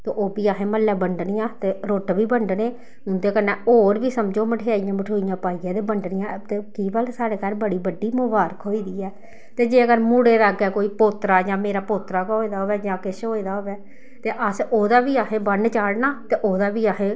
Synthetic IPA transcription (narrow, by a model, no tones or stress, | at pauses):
t̪eːʔoːbiːaɦẽːməlːɛːbəɳɖnɪjãːt̪eːɾoːʈbiːbəɳɖneː | ʊnd̪eːkənːɛ̃ːoːɾʋiːsəmd͡ʒoːməʈʰeːaːɪjãːməʈʰoːijãːpaːiːãːd̪eːbəɳɖnɪjãːt̪eːkiːbəlsaːɽeːkaɾbəɽiːbəɖːiːmʊbaːɾəkɦoːiːd̪iːɛː | t̪eːd͡ʒeːəɡəɾmuɽeːɾaɡɛːkoːiːpoːt̪ɾaːd͡ʒãːmeːɾaːpoːt̪ɾaːkɦoːiːd̪aːɦoːʋɛːd͡ʒãːkɪʃɦoːiːd̪aːɦoːʋɛː | t̪eːʔəsoːd̪aːbiːaːkẽːbəɳɖt͡ʃaːɽnaːt̪eːʔoːd̪aːbiːaɦẽː